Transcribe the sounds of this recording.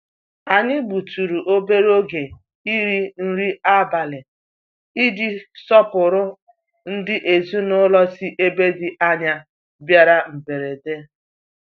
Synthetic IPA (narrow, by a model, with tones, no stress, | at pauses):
a˨ɲɪ˦ɡ͡bu˨tu˨ɾu˨ʔo˦be˦ɾo˦ɡe˨ | i˦ɾi˦n̩˦ɾi˦a˦ba˨le˨ | i˦di˦sɔ˦pʊ˨ɾʊ˦ | n̩˦dɪ˦ʔe˨zu˦nʊ˦lɔ˦si˦ʔe˦be˦dɪ˨ʔa˦ɲa˦ | bja˦ɾa˦m̩˨be˨ɾe˨de˦